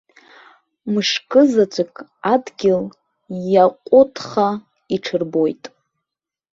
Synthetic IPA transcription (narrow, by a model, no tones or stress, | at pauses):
mɨʂkʼɨzat͡ʃʷʰʼɪkʼadɡʲɪl | jaqʷʼʊtʰχa | iʈ͡ʂʰɨrbo̞jtʼ